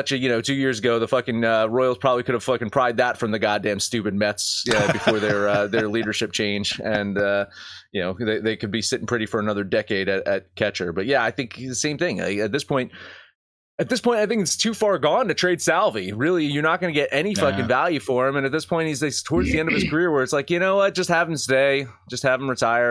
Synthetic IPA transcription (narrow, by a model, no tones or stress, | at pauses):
t͡ʃɨjɨnoʊtʰʉjɪɹzɨɡoʊðəfʌkɪ̃ŋʌɹɔɪl̩ˠz̥pʰɹ̥ɑbəblikʰʊɾɨv̥fʌkɨ̃n̩pʰɹ̥aɪd̪̚ðətfɹʌ̃mðɨɡɑdæ̃nstʉpɨd̚mɛtsjʌbɨfɔɹðə˞ʌðə˞liɾə˞ʃɪp̚t͡ʃʰẽɪ̃nd͡ʒɨ̃nʌjɨnoʊðeɪðeɪkɨd̚bisɪɾɪ̃ŋpʰɹ̥ɪɾifə˞ɨnʌðə˞dɛkeɪɾɨɾɨt̚kʰɛt͡ʃə˞bʌt̚jæaɪθɪ̃ŋkðɨsẽɪ̃mθɪ̃ŋa̰ɪɨt̪̚ðɪspʰɔ̃ɪ̃nt̚ | ɨt̪̚ðɪspʰɔ̃ɪ̃taɪθɪ̃ŋkɨtstʰʉfɑɹɡɔ̃ntɨtʰɹ̥eɪd̥sælˠviɹɪlˠijə˞nət̚ɡ̥ʌnɨɡɛɾʔɛñifʌkɨ̃nvælˠjʉfə˞ɨ̃mɨ̃nɨt̪̚ðɪspʰɔ̃ɪ̃nthizðeɪstʰɔɹdzðiɛ̃ndʌv̥ɨz̥kʰə˞ɪɹwə˞ɨtslaɪkjɨñoʊwʌt̚d̥ʒ̥ʌst̚hæṽn̩sdeɪ̥ | ʒ̥ʌst̚hæṽn̩ɹɨtʰaɪə˞